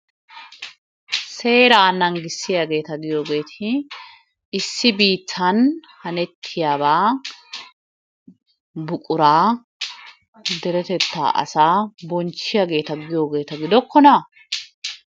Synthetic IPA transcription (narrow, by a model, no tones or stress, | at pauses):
se̞ːɾaːnɐŋɡɪsːɪjaːɡe̞ːt̪ɐɡɪjoːɡe̞ːt̪ʰɪ | ɪsːɪbiːt̪ʰːɐnhɐnɛt̪ʰːɪjaːbaː | bʊkʼʊɾaː | d̪ɛɾɛt̪ɛt̪ːa̰ːʔɐ̰saːbɔnt͡ʃːɪjaɡe̞ːt̪ɐɡɪjo̞ːɡe̞ːt̪ɐɡɪd̪ɔkːɔnɐ